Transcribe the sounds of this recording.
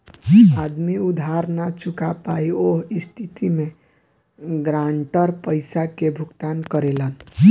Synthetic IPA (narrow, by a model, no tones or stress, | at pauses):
ad̪miud̪ʱaɾnat͡ʃʰukapaioɦist̪ʰit̪imẽ | ɡɾaɳʈəɾpəɪsakebʱʊɡt̪ankəɾelən